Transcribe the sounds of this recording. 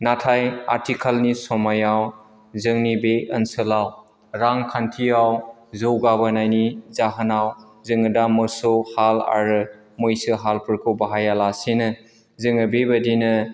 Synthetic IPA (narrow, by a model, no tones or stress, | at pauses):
natʰaja̰ɾtʰikʰalnisɔmajaw | zɯŋnibeənsɯlaw | ɾaŋkʰantʰijawzɯwɡabanajnizaɦənaw | zɯŋɯdamɯsɔhala̰ɾɯ | mojsɯɦalpʰɯɾkʰɯbaɦajalasenɯ | zɯŋɯbebadinɯ